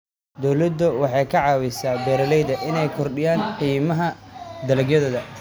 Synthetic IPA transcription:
d̪ɔwlɐd̪ʊwɑħɑjkʰɐʕɑːwɪsaːbɛːɾɐlɛjðɐʔɪnɛjkʰɔrɖɪjaːnqiːmɐɦɐd̪ɐlɐɡjɐðɔːðɐ

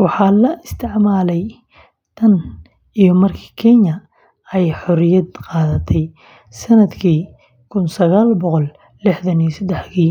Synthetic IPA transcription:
wɑħɑːlɐɪst̪ʰɪʕmaːlɛj | t̪ʰɐn | ijɔmɐrkʰi̥ːkʰɛɲɐ | ɛjħɔɾɪjɐd̪qɑːðɐt̪ʰɛj | sɐnɐd̪kʰiː | kʰʊnsɐɣaːlbɔqɔl | lɪħðɐnijsɐd̪ɛħkiː

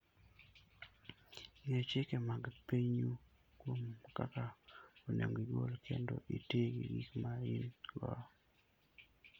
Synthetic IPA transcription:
ŋet͡ʃekemaɡpeɲu | kwomkakaonḛŋɡiɡolkʰḛndo̰ʔiteɡiɡikmaɾinlwa̰

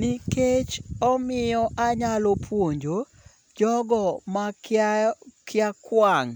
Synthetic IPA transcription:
niket͡ʃɔmɪjɔʔaɲalopʰwoɲd͡ʒo | d͡ʒɔɡɔma | kʰɪakwaŋ

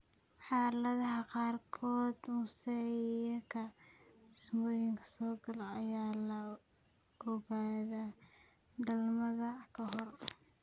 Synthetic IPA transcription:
ħɑːlɐðɐɦɐqɑːrkʰɔːd̪mʊsɛjɐkʰɐdɪsmɔːjɪŋkʰɐ̥sɔːɡɐlɐɐjaːlɐ | ʔɔɣaːðaː | d̪ɐlmɐðɐkʰɐɦɔr

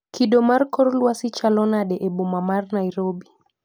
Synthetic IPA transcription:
kiɗɔmaɾkɔɾulwasit͡ʃalɔnaɗɛʔɛɓɔmamaɾnaiɾɔbi

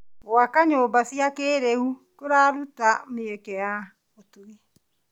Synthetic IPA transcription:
wakaɲoːbasiakeːɾeukoɾaɾutameɛkɛja | otue

